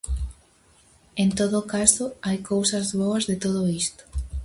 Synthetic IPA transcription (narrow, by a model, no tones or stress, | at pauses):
ent̪oðʊkasoajkowsɐzβoɐzðet̪oðoist̪o̥